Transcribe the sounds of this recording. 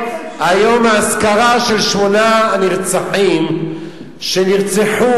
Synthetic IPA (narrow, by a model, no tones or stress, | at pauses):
ajomaːskaʁaʃelʃmonaniʁt͡saħim | ʃeniʁt͡seħu